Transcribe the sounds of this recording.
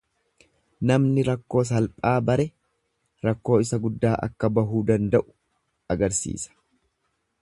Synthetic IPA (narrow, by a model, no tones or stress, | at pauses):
nɐmnɪɾɐkːo̞ːs̬ɐlpʼaːbɐɾɛ | ɾɐkːo̞ːɪsɐɡʊd̪ːaːʔɐ̰kːɐbɐɦuːd̪ɐnd̪ɐʔʊ̥ | ɐɡɐɾsḭːsɐ̥